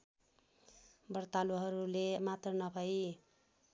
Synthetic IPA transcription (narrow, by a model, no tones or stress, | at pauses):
bʌɾt̪aloɦʌɾulemat̪rʌnʌbʱʌj